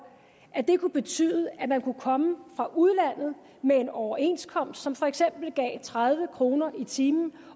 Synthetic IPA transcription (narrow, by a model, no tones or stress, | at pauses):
ʔæd̥e̝kʰub̥e̝t͡sʰy̰ːðˠəʔæmænkʰukʰɒ̽məfʁɑ̈ʔuð̞ˠlæn̰ð̩ˠ | mee̝nɒʊɐe̝̰nskʰɒ̽m̰sd̥sɒ̽mfɒ̽eɡ̥sem̰b̥l̩ɡ̥ɛ̰ːt͡sʰʁað̞ˠʋəkʰʁo̝ːnɐʔit͡sʰiːmn̩